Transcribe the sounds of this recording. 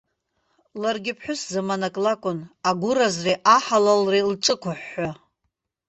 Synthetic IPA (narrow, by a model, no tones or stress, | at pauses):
larɡʲɪpʰħʊszamanakʼlakʷʼʊnaɡʷʊɾazreʔaħalalrelʈ͡ʂʼɨkʷʰʊħːa